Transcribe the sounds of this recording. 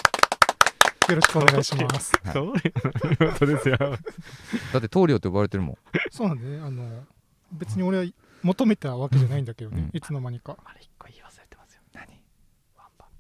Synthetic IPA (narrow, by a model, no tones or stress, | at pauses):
jo̞ɾo̞ɕi̥kɯo̞neɡaiɕimasɨ̥ | ot̪od̪esɨjo | d̪at̪ːet̪o̞ːɾʲot̪ejoaβaɾe̞t̪eɾɯ̟mõ̰soːnãnd̪eneano̞ | be̞t͡sɨɲ̟io̞ɾe̞βa | mo̞t̪o̞me̞t̪aβake̞ʑanaĩnd̪ake̞d̪oneit͡sɨno̞maɲ̟ikaai̥kːoiːβasɨ̥ɾet̪emasɨ̥jo̥n̥aɲi | a